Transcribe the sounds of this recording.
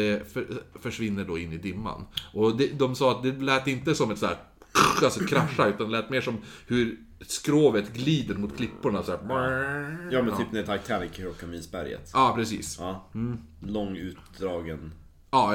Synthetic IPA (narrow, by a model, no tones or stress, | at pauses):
ɛfœfœʂvɪnːəɖoɪnːɪd̪ɪmːa̰nʔɔd̪ɛd̪ɔmsɑːat̪̚d̪ɛlɛːt̪ɪnt̪əsɔmɛt̪sæ̰ːɾ | alsɔɛkʰɾaʂːaʉt̪and̪ɛlɛːt̪meːʂɔmhɵɾ | skɾoːvət̪ɡliːd̪əɾmʊt̪kʰlɪpːʊɳasæː | jɑːmɛnyːpnɛt̪ʰak̚t̪ʰænɪkɾɔkʰːamiːsbæ̰ɾjə̰t̪ɑːpʰɾɛsḭːsɑːm̩ː | lɔŋːʉ̟ːt̪̚d̪ɾɑːɡən | ɑː